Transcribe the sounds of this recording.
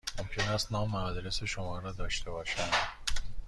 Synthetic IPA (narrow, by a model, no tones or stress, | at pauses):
mo̞mcʰe̞næst̪nɒːmːæɒd̪ɾese̞ʃomɒːɾɒːd̪ɒːʃt̪ʰe̞bɒːʃænd̪̥